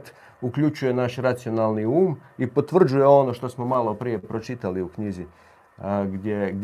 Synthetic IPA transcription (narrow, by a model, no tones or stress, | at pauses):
t̪ | ukʎʲut͡ʃuje̞naʃɾat̪sio̞nalˠniuːmipo̞t̪ʋr̩d͡ʒuje̞o̞no̞ʃt̪o̞smo̞malo̞pɾije̞pɾo̞t͡ʃit̪aliukɲizi | ɡd̪ʲjeɡd̪